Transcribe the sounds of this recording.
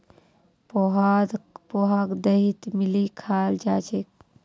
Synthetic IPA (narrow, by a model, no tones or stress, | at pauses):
poɦad̪poɦaːkd̪ɐɦit̪milikʰaːld͡ʒaːt͡ʃek